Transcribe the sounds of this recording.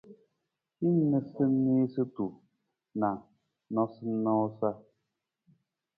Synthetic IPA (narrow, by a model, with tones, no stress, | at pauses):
hi˦ɲ˦nə˨sɨ˦ni˦sɨ˦tu˨ | na˨ | nɔ˦sɨ˦n̩˦nɔ˦sa˦